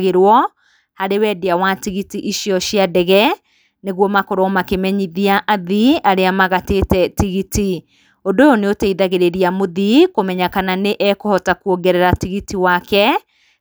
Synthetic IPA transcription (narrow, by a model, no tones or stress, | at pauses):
ɣeɾwɔ | haɾewɛːdeawatiɣitiʔiʃiɔʃiadɛɣɛ | neɣwɔmakoɾɔmakemɛɲiðiaʔaðiaɾeamaɣateːtɛtiɣiti | ondojoneoteiðaɣeɾeɾiamoðikomɛɲakananeʔɛkohɔtakuoɡɛɾɛɾatiɣitiwakɛ